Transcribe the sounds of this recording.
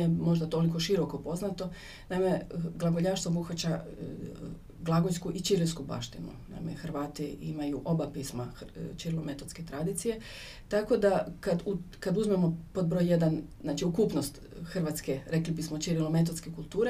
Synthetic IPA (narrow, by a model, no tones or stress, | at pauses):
ijemo̞ʒd̪at̪o̞liko̞ʃiɾo̞ko̞po̞znat̪o̞ | naime̞ɡlˠaɡoʎaʃt̪ʋobuxat͡ɕa | ɡlˠaɡojskuʔit͡ʃiɾliskuba̰ʃt̪ḭnṵna̰imḛxrʋaːt̪iimajuʔo̞bapismat͡ʃiɾilome̞t̪ot̪sket̪ɾad̪it̪sije̞ | t̪ako̞d̪akad̪u | kad̪uzmemo̞po̞d̪̚bɾojjed̪annaːt͡ʃiukuːpno̞st̪ | xr̩ʋat̪ske̞ɾe̞klibismot͡ʃiɾilome̞t̪̬otske̞kulˠt̪uːɾe